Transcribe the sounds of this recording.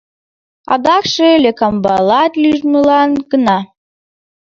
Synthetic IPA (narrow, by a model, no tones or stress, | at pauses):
ɑ̰d̪ɑkʃelʲekɑmbɑlɑt̪lyʒməlɑnɡənɑ